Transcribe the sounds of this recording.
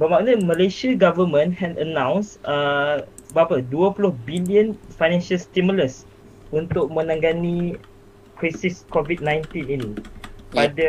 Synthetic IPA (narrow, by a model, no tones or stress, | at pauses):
bəmaʔnəməleʃəɡavəmə̃nhɛtənãw̃nsə | bəapəduəpulʊhbiliə̃nfajnɛ̃nʃəlst̪imuləs | unt̪ʊk̚mə̃nãŋɡani | kɹasiskɔvit̚nãjnt̪ĩninipadə